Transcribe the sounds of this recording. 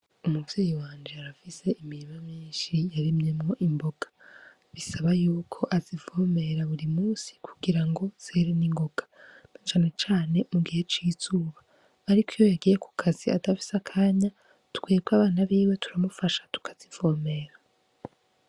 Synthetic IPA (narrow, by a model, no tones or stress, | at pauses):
umuvjeːjiwaːnd͡ʒeaɾafise̞ʔimiɾimamiːnʃijaɾimɲe̞mŋo̞ʔimbo̞ɡ̥ḁ | βisaβajuːkʰo̞ʔazivo̞ːme̞ɾaβuɾimuːsi̥kʰu̥ɡiɾaŋɡo̞z̥eːɾeniŋɡo̞ɡ̥ḁnat͡ʃaːne̞t͡ʃaːne̞muɡihe̞t͡ʃiːz̥uːβaː | ɾikijojaɡijekʰu̥kʰazia̰tafi̥sakʰaːɲa | tu̥kwiɡɡwaːβaːnaβiːwe̞tʰuɾamufaʃḁtu̥kʰḁz̥iv̥oːme̞ːɾa